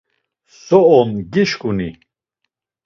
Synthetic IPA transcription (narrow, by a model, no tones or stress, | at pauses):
sɔɔmɡiʃkunḭ